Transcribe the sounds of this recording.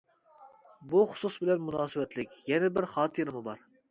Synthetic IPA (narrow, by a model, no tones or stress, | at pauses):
buχʊ̥susbɪlɛnmunɑːsɨwɛt̪lɪkʲjɛnɛbɪɾχɑːt̪ʰɨɾɪmɨbɑɾ